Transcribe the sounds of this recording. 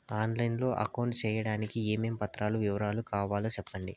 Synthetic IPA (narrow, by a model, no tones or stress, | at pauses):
aːnlɐjnlo̞ːʔɐ̰kɐwɳʈt͡ʃɛːjɐɽaːnikieːmeːmpɐt̪ːɾaːluʋiʋɐɾaːlukaːʋaːloːt͡ʃɛpːɐɳɖi